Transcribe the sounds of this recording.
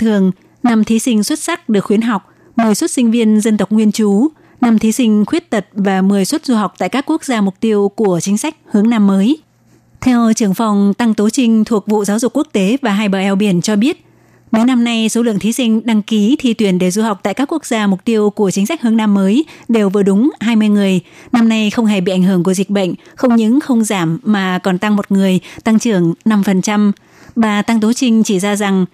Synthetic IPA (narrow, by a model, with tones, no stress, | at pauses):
t̪ʰɨ˨˩əŋ | na˧mt̪ʰi˨˦sï˧ŋ̟swə˦˥t̚sa˦˥k̚ɗɨ˨˩əkxwənɦa˨˩wk͡p̚ | mɨ˨˩əjswə˦˥t̚sï˧ŋ̟vi˧ənzə˧nt̪ə˨˩wk͡p̚ŋwi˧ənt͡ɕu˨˦ | na˧mt̪ʰi˨˦sï˧ŋ̟xwi˦˥ət̚t̪ə˨˩t̚vaː˨˩mɨ˨˩əjswə˦˥t̚zu˧ɦa˨˩wk͡p̚t̪a̰ː˧˨kaː˦˥kːu˦˥ək̚zaː˧mʊ˨˩k͡p̚t̪i˧əwku˧˩ət͡ɕï˨˦ŋ̟sa˦˥jk̟̚hɨ˨˦əŋnaː˧mːəː˨˦j | t̪ʰɛ˧wt͡ɕɨ˧˩əŋfa˨˩wŋ͡mt̪a˧ŋt̪o˨˦t͡ɕï˧ŋ̟t̪ʰu˨˩ək̚vṵ˧˨zaː˨˦wzʊ˨˩k͡pkːu˦˥ək̚t̪e˨˦vaː˨˩ɦaː˧jɓəː˧˩ʔɛ˧wɓi˧˩ənt͡ɕɔ˧ɓi˦˥ət̚ | mə˨˦jna˧mna˧jso˨˦lɨ̰˧əŋt̪ʰi˨˦sï˧ŋ̟ɗa˧ŋki˨˦t̪ʰi˧t̪wi˧˩ənɗe˧˩zu˧ha˨˩wk͡p̚t̪a̰ː˧˨jkaː˦˥kːu˦˥ək̚zaː˧mʊ˨˩k͡p̚t̪i˧əwku˧˩ət͡ɕï̟˨˦sa˦˥jk̚hɨ˧əŋnaː˧mːəː˨˦jɗe˨˩wvɨ˨˩əɗʊ˨˦ŋ͡mhaː˧jmɨ˧əjŋɨ˨˩əjna˧mna˧jxə˧wŋ͡mɦɛ˧˩ɓḭ˧˨ʔa˧˩ŋ̟ɦɨ˧˩ŋk̬əzi˨˩k̟̚ɓə̰˧˨jŋ̟xə˧wŋ͡mɲɨ̰˧˥ŋxə˧wŋ͡mzaː˧˩mːaː˨˩kɔ˨˩nt̪a˧ŋmo˨˩t̚ŋɨ˨˩əjt̪a˧ŋt͡ɕɨ˧˩əŋna˧mfə˨˩nt͡ɕa˧m | ɓaː˨˩t̪a˧ŋt̪o˨˦t͡ɕï˧ŋ̟t͡ɕi˧˩zaː˧za˨˩ŋ